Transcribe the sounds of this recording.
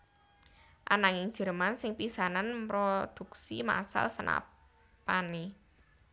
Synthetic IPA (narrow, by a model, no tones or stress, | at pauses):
ʔanaŋɪŋ̥ʒ̥ə̤ɾmansɪŋpisananpɾod̪̥ṳksima̰sa̰lsəna̰ | pane